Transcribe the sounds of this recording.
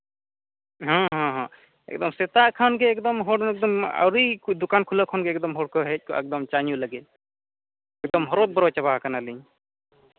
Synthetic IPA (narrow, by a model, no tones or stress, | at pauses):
ɦɔ̃ɦɔ̃ɦɔ̃ | ɛ̰k̚d̪ɔmsɛt̪aʔkʰanɡeːk̚d̪ɔmɦɔɖɛk̚d̪ɔma̰wɾid̪ukankʰulɔʔkʰɔnɡeːkd̪ɔmɦɔɽkɔɦɛc̚kɔɛk̚d̪ɔmt͡ʃaɲuləɡɛt̪̚ | ɛk̚d̪ɔmɦɔɾɔt̪̚bɔɾɔt͡ʃabaɦakanaliɲ